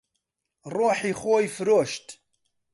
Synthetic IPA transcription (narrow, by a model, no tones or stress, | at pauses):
roːħiːxoːjfɨɾoːʃt̪